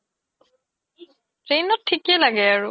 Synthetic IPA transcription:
ɹejnɔtʰːikɛlaɡɛaɹu

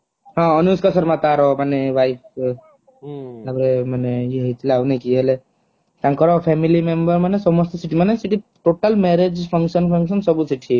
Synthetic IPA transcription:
ɦãɔnuskɔsəɾmat̪aɾɔmaneʋajp̚ | labɾemaneiɦejt̪ʰilawnekiɦele | k̪ãŋkɔɾɔpʰɛmilimembəɾmanesɔmɔst̪ɔsiʈimanesiʈiʈoʈəlmeɾed͡ʒpʰɔŋkʃənpʰəŋkʃɔnsɔbusiʈʰi

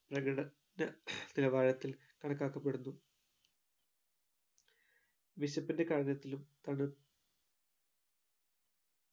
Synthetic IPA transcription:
prɐɡɐɽɐ | nɐnilɐbaːɻɐt̪ːil | kɐɳɐkːaːkːɐpːeɽunːu | ʋiɕɐpːinde̞kaːɻɐnɐt̪ːilumt̪ɐɳɨ

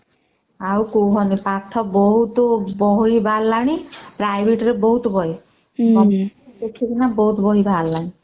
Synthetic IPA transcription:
awkoɦɔnipat̪ʰɔbɔɦut̪ɔbɔɦibʱalːaɽ̃ipɾajbʱeʈɾebɔɦut̪ɔbɔɦi | bɔdekʰikinabɔɦut̪ɔbɔɦibʱalːaɽ̃i

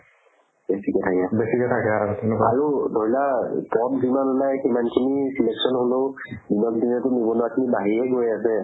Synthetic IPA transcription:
besikɛtʰakɛbesikɛtʰakɛaɔtɛnʊkaaɹudʱojlapɔt̚zimanɔnajkimankʰinisileksɔnholo | dinɔkdinɛtʊnibɔnɔakʰinibaɦiɹɛɡojasɛ

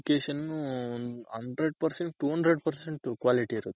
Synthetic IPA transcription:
keːʃɐnnu | ɐɳɖɾeɖ̚pɐɾseɳʈʈuːɦɐɳɖɾeɖpɐɾseɳʈkʋaːliʈiːɾɐd̪u

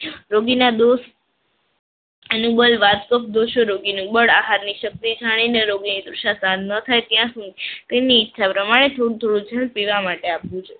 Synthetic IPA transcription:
ɾoɡinad̪oʃ | enũbəlʋat̪kəp̚d̪oʃoɾoɡinũbəɽaɦaɾniʃək̚t̪id͡ʒʱaɽ̃ineɾoɡinid̪ɾuʃasãnd̪nət̪ʰajt̪jãsũit̪eniːtːʃʰapɾəmaɽ̃et̪ʰoɽũt̪ʰoɽũd͡ʒʱəlpiʋamaʈeapʋũt͡ʃʰe

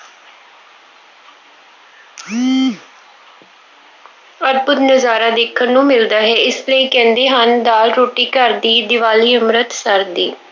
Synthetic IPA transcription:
əɾ̚bʊd̪nəzaːɾaːd̪eːkʰənnũːmɪld̪aːɦɛːɪsləiːkɛ̃ːnd̪eːɦənd̪aːlɾoːʈiːkəɾd̪iːd̪ɪʋaːliːəmɾət̪səɾd̪iː

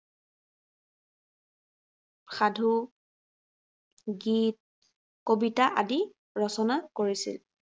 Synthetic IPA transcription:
xʰadʱu | ɡit̚ | kobitaʔadi | ɹɔsɔnakoɹisḭl

